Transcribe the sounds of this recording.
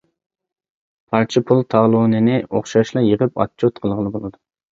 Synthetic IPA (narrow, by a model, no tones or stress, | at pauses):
pʰɑɾt͡ʃʰɪpʰulˠt̪ʰɑːlˠonɪnɪoχʃɑʃlˠɑjəʁəpɑ̰t͡ʃʰːot̪qʰəlˠʁəlˠɨbolˠɨd̪u